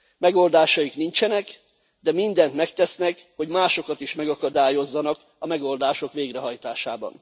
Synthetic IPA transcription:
mɛɡo̞ld̪aːʃɒjiknint͡ʃɛnɛk | d̪ɛmind̪ɛnt̪mɛkt̪ɛsnɛkho̞ɟmaːʃo̞kɒt̪iʃmɛɡɒkɒd̪aːjo̞zːɒnɒk | ɒmɛɡo̞ld̪aːʃo̞kʋeːɡrɛɦɒjt̪aːʃaːbɒ̰n

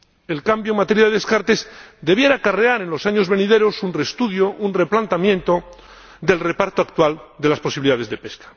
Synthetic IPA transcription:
e̞lkambjoŋmat̪e̞ɾjaðeðe̞skaɾt̪e̞zd̪e̞β̞je̞ɾakareaɾe̞nlo̞saɲo̞zβe̞niðe̞ɾo̞sunre̞st̪uðjo̞ʔunreplant̪amjẽ̞nt̪o̞ | d̪e̞lre̞paɾt̪oakt̪wald̪e̞lasposiβiliðaðe̞zðe̞pe̞skḁ

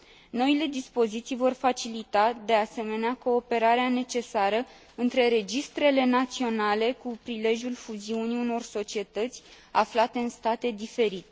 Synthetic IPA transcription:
no̞ile̞d̪ispo̞zit̪sijvo̞rfat͡ʃilit̪ad̪e̞ase̞me̞neako̞ːpe̞ɾaɾeane̞t͡ʃe̞saɾə | ɨnt̪ɾe̞ɾe̞d͡ʒist̪ɾe̞le̞nat̪sio̞nale̞kupɾile̞ʒjulfuziuniuno̞rso̞t͡ʃie̞t̪ət̪sʲ | aflat̪e̞ɨnst̪at̪e̞d̪ife̞ɾit̪e

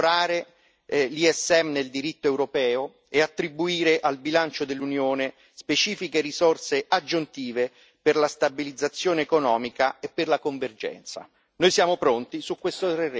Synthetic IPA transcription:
ɾaːɾe | liɛsːɛmneld̪iɾit̪ːoɛwɾopɛːo | eat̪ːɾibuiːɾeʔalbilant͡ʃod̪elːunjoːne | spet͡ʃiːfikerisorseʔad͡ʒːunt̪iːve | perlast̪abilid̪zːat̪sːjoːneːkonɔːmikaepːerlakoɱverd͡ʒɛ̰nt̪sa̰ | nojsjaːmopɾont̪isukːwest̪ot̪ɾer

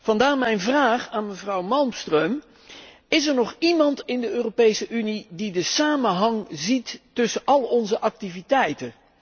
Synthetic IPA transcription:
v̥ɑndaːɹmɛjnvraːχaːnməvrɑwmɑlˠmstrøm | ɪsɛɹnɔχimɑntɪndəøːropejsəʔynididəsaːmənɦɑŋzitːɵsənʔɑlˠɔnzəʔɑk̚tivitɛjtən

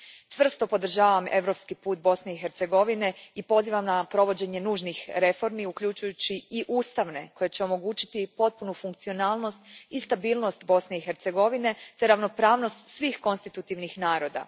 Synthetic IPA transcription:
t͡ʃʋr̩st̪o̞po̞d̪r̩ʒaːʋame̞ʋɾo̞pskipuːt̪̚bo̞sne̞ixe̞ɾt̪se̞ɡo̞ʋine̞ipo̞ziːʋamnapɾo̞ʋo̞d͡ʑe̞ɲe̞nuːʒnixɾe̞fo̞ɾmiukʎut͡ʃujut͡ɕiiʔuːst̪aʋne̞ko̞jet͡ɕeo̞mo̞ɡuːt͡ɕi̥t̪ipo̞t̪̚punufuŋkt̪sio̞naːlˠno̞st̪ist̪abiːlˠno̞st̪bo̞sne̞ixe̞ɾt̪se̞ɡo̞ʋine̞t̪e̞ɾaʋno̞pɾaːʋno̞st̪sʋixko̞nst̪it̪ut̪iʋnixnaːɾo̞d̪a̰

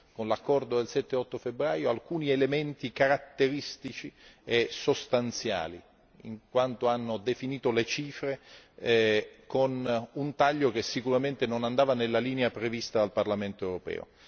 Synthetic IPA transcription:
konlakːɔrd̪od̪elsɛt̪ːeɔt̪ːofebːɾaːjoalkuːnielement̪ikaɾat̪ːeɾist̪it͡ʃiesost̪ant̪sja̰ːlḭ | ḭŋkwant̪oanːod̪efiniːt̪olet͡ʃiːfɾe | konunt̪aʎːokesːikuɾament̪enonand̪aːvanelːaliːneapɾevist̪ad̪alparlament̪oɛwɾopɛ̰ːo̰

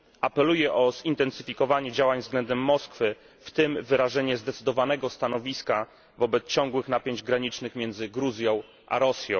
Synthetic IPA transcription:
ʔapɛlujɛʔɔz̥int̪ɛnsɘfʲikɔvaɲɛd͡ʑawaɲvzɡlɛnd̪ɛmːɔskfɘ | ft̪ɘmvɘɾaʐɛɲɛzd̪ɛt̪sɘd̪ɔvanɛɡɔst̪an̪ɔvʲiska | vɔbɛt̪st͡ɕɔ̃ŋɡwɘxnapʲjeɲd͡ʑɡɾaɲit͡ʂnɘxmʲjɛnd̪zɘɡɾuzʲjɔ̃w̃ | ʔa̰ɾɔsʲjɔ̃w̃

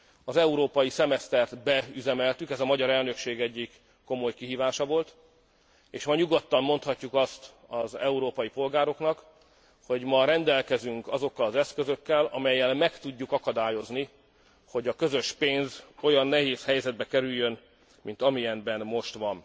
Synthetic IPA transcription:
ɒzɛuɾoːpɒjisɛmɛst̪ɛrt̪bɛyzɛmɛlt̪ykɛzɒmɒɟɒɾɛlnø̞kʃeːɡɛɟːikː | o̞mo̞jkiɦiːvaːʃɒvo̞lt̪ | eːʃmɒɲuɡo̞t̪ːɒmːo̞nt̪hɒcːukɒst̪ | ɒzɛuɾoːpɒjipo̞lɡaːɾo̞knɒk | ho̞ɟmɒɾɛnd̪ɛlkɛzyŋkɒzo̞kːɒlɒzɛskø̞zøkːɛlɒmɛjːɛlmɛkt̪uɟːukɒkɒd̪aːjo̞zni | ho̞ɟɒkø̞zøʃpeːnzo̞jɒnːɛɦeːshɛjzɛd̪̚bɛkɛɾyjːøn | mint̪ɒmijɛnbɛnmo̞ʃt̪ʋɒn

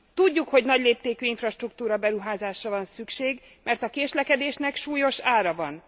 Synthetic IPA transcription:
t̪uɟːukho̞ɟnɒɟleːp̚t̪eːkyːiɱfrɒʃt̪rukt̪uːɾɒbɛɾuɦaːzaːʃrɒvɒnsykʃeːɡ | mɛrt̪ɒkeːʃlɛkɛd̪eːʃnɛkʃuːjo̞ʃaːɾɒvɒn

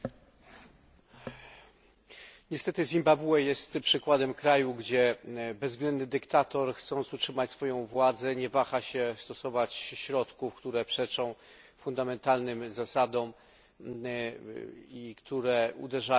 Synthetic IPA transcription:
ɲɛst̪ɛt̪ɘzʲimbabuɛjɛst̪pʂɘkwad̪ɛmkɾajuɡd͡ʑɛbɛzɡlɛnd̪nɘd̪ɘkt̪at̪ɔɾxt̪sɔ̃nt̪sutʂɘmat͡ɕsfɔjɔ̃w̃vwad̪zɛɲɛvaxaɕɛst̪ɔsɔvat͡ɕɕɾɔt̪kufkt̪uɾɛpʂɛt͡ʂɔ̃w̃ | fund̪amɛnt̪alnɘmzasad̪ɔm | ikt̪uɾɛṵd̪ɛʐa

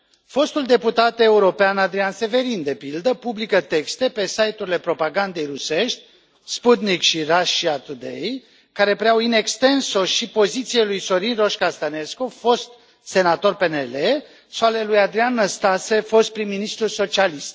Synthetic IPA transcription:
fo̞st̪uld̪e̞put̪at̪e̞uɾo̞peanad̪ɾianse̞ve̞ɾind̪e̞pild̪əpublikət̪e̞kst̪e̞pe̞sajt̪uɾile̞pɾo̞paɡand̪e̞jruse̞ʃt̪ʲ | sput̪nikʃiraʃiat̪ud̪ḛj | kaɾe̞pɾeawine̞kst̪e̞nso̞ʃipo̞zit̪sielujso̞ɾinro̞ʃkast̪ane̞skofo̞st̪̚ | se̞nat̪o̞rpe̞nele | sale̞lujad̪ɾianːəst̪ase̞fo̞st̪̚pɾimːinist̪ɾuso̞t͡ʃialist̪

